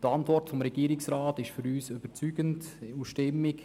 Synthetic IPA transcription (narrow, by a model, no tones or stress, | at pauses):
tɑntvɔrtfɔmɾɛɡ̥iːɾɪksɾaːtɪʃfʏɾyːsøb̥əɾt͡syːɡəntusʃtɪmːɪk